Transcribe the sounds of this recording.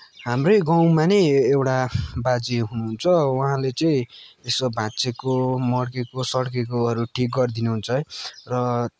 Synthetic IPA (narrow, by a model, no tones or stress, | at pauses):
ɦamrojɡaw̃manʌjewʈabad͡zeɦunuɦunt͡sʰʌwaɦãlet͡sʌĩesobʱãt͡sekomʌɽkekosʌɽkekoʌɾuʈʰik̚ɡʌrd̪inuɦunt͡sʰʌrʌ